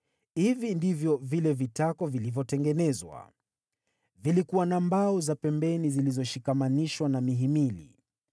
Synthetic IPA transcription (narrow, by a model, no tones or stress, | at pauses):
hivindivjɔvilɛvitakɔvilivjɔtɛŋɡɛnɛzwa̰ | vilikuwanambaɔzapɛmbɛnizilizɔʃikamaniʃwanamiɦimilḭ